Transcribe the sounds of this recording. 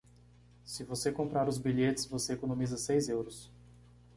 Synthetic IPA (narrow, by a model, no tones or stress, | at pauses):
sɪvosekõpɾaɾʊzbiʎet͡ʃɪ̥svoseekõnõmizɐsejzewɾʊs